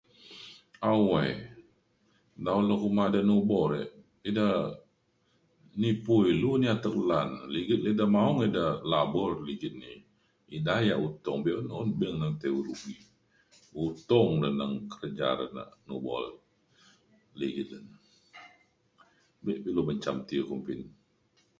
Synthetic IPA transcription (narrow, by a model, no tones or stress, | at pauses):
awai | daulokumadanubɔɾə̰ʔ | ida | nipuiluniat̪əklanliɡət̪̚lidamaɔŋidahlabɔrliɡit̪̚ni | idajaʔut̪ɔŋbiʔunːnbiŋnaŋt̪euɾuɡi | ut̪ɔŋdənəŋkəɾəd͡ʒa̰ɾə̰na̰ʔnṵbɔ̰l | liɡit̪̚lən | biʔpiluməɲt͡ʃamt̪ikumpin